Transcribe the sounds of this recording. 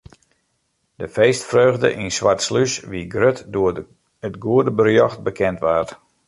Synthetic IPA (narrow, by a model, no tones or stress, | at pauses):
d̥əfeːstfrøːɣdə̰ʔinsʋartslysʋiɡrøtdʊə | ətɡuədəbərjɔxt̚bəkʰɛntʋaː